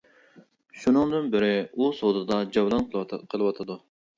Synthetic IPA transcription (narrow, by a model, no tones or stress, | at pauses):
ʃunɨŋd̪ɨnbɪɾɪusod̪ɨd̪ɑd͡ʒɑwlˠɑnqˠqʰəlˠɨwɑt̪ʰɨd̪u